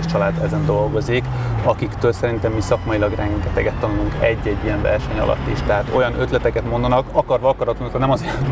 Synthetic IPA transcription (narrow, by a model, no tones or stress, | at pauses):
t͡ʃɒlaːd̪ɛzɛnd̪o̞lɡo̞zikɒkikt̪øːlsɛɾint̪ɛmːisɒkmɒjilɒɡrɛŋɡɛt̪ɛɡɛt̪ːɒnuluŋkɛɟːɛɟːijɛɱvɛ̰rʃɛɲɒ̰lʔɒ̰t̪ːiʃt̪ɛɦaːt̪o̞̰jɒnʔø̞t̪lɛt̪ɛkɛt̪mo̞nd̪ɒnɒkɒkɒrvɒɒkɒɾɒt̪uukɒnɛmɒze